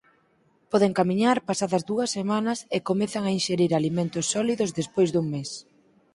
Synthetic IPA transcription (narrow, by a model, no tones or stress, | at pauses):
pɔðeŋkamiɲaɾpasaðɐzðuɐsːemanɐsekomɛθaŋainʃeɾiɾalimẽnt̪ʊsːɔliðʊzðespojzd̪uŋmes